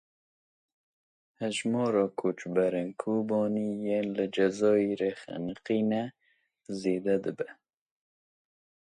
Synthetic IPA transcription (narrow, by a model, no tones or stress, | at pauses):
hɛʒmɑːɾɑːkʰoːt͡ʃbɛɾenkʰoːbɑːniːjeːnlɨd͡ʒɛzɑːiɾexɛ̰nəqiːnɛ | zeːd̪ɛd̪ɨbɛ